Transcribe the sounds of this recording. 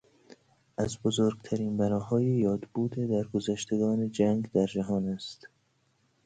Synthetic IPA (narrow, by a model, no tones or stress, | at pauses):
ʔæzbozoːɾɡt̪ʰæɾiːnbænɒːhɒːjejɒːd̪buːd̪ed̪æɾɡozæʃt̪e̞ɡɒːned͡ʒæŋɡd̪æɾd͡ʒæɦɒːnæst̪